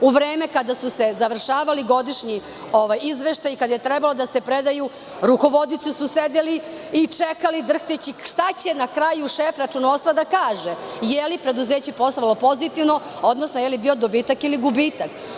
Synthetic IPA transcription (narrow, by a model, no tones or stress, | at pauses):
uʋɾeːme̞kad̪asuse̞zaʋr̩ʃaːʋaliɡo̞d̪iʃɲi | o̞ʋajizʋeʃt̪ajikad̪ajet̪ɾebalod̪asepɾed̪aju | ɾuko̞ʋo̞d̪it̪susused̪eliit͡ʂekalid̪r̩xt̪et͡ɕiʃt̪at͡ɕe̞nakɾajuʃefɾat͡ʂunoːst̪ʋad̪akaːʒejelipɾe̞d̪uzeːt͡ɕepo̞salopo̞zit̪iʋno̞ | od̪nosnojelibiod̪obiːt̪akiliɡubiːt̪ak